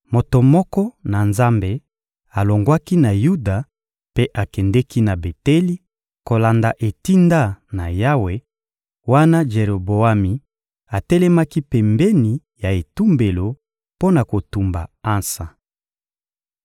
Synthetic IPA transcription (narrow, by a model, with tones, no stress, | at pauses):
mo˨to˨mɔ˦kɔ˦na˨nza˦mbe˨ | a˨lo˨ŋɡwa˦ki˦na˨ju˦da˨ | pe˦ʔa˨kɛ˨ndɛ˦ki˦na˨be˨tɛ˦li˦ | ko˨la˨nda˨ʔe˨ti˦nda˦na˨ja˦we˨ | wa˦na˦ʒe˨ʁo˨bo˨a˦mi˨ | a˨tɛ˦lɛ˦ma˦ki˦pɛ˨mbɛ˦ni˨ | ja˨e˨tu˦mbe˨lo˨ | po˦na˨ko˨tu˨mba̰˨a˦nsa˨